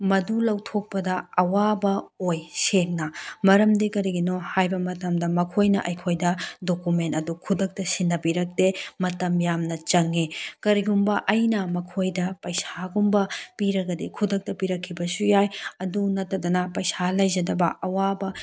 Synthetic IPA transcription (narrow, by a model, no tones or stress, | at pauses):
mɐdulɐwtʰok̚pɐdɐɐwabɐojseŋnɐmɐɾɐmdekɐɾiɡinohajbɐmɐtɐmdɐmɐkʰojnɐʔɐjkʰojdɐdokumentɐdukʰudɐk̚tɐsinːɐbiɾɐk̚temɐtɐmjamnɐt͡ʃɐŋːikɐɾiɡumbɐʔɐjnɐmɐkʰojdɐpɐjsaɡumbɐpiɾɐɡɐdikʰudɐk̚tɐpiɾɐkʰːibɐsujajɐdunɐtːɐdɐnɐpɐjsalɐjzɐdɐbɐʔɐwabɐ